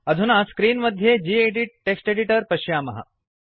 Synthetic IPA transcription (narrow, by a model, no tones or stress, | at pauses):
ɐd̪ʱunaskɾiːnməd̪ʱːjed͡ʑiːeɖiʈʈːeksʈeɖiʈəɾpɐɕjaːmɐɦa̰